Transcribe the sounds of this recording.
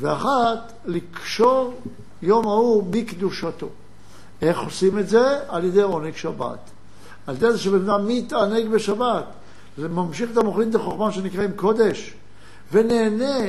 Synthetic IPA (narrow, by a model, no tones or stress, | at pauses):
veaχat̪ | likʃo̞ʁ | jo̞mauʁbikd̪uʃat̪o̞̰ | e̞χo̞simetzealjed̪e̞jo̞neɡʃaba̰t̪ | aljd̪ejzeʃebemdamːit̪aneɡbeʃabat̪ | lmamʃiχetamoχlimd̪eχoχmaʃenikʁaimko̞d̪e̞ʃ | veneːne